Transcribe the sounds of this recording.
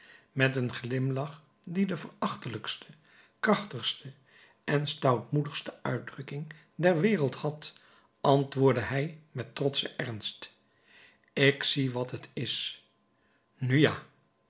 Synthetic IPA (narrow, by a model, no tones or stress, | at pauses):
mɛtənχlɪmlɑχ | didəvərɑχtələkstʰə | krɑχtəχstə | ʔɛnstɑwtmudəχstəœ̰ɥdrɵkɪŋ | dɛɹʋɪːrəlˠthɑt | ʔɑntʋʊːɹdəɦɛjmɛtrɔtsəʔɛɹnst | ɪksiʋɑtətɪs | nyja̰ː